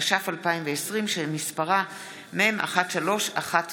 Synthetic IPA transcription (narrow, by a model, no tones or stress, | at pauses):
ʃafalpaimveesʁimʃemispaʁa | meemʔa̰χatʃalo̞ʃaχat